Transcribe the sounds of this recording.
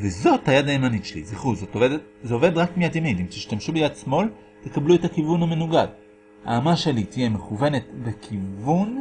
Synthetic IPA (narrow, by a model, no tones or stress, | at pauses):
vezo̞thajadajemanitʃelḭziχuzo̞tovedetzeove̞dʁakmijadjaminimt̪iʃtamʃubejadsmo̞l | t̪e̞kabluetakivunhame̞nuɡad | ha̰ːmaʃe̞lit̪ijeme̞χuve̞ne̞tbekʰivun